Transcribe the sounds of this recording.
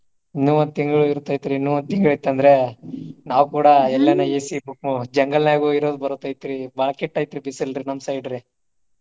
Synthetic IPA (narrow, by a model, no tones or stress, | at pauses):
nuːʋɐn̚t̪iŋɡɐɭuiɾut̪ːɐjt̪iɾinuːʋɐnd̪t̪iŋɡɐɭɐjt̪ːɐnd̪ɾe̞naːʋkuːɽɐɛlːɐnɐeːsibukmud͡ʒɐŋɡɐlnjaːɡuiɾoːd̪bɐɾut̪ːɐjt̪iɾibɐɭɐkeʈːɐjt̪iɾibisilɾinɐmsɐjɖɾi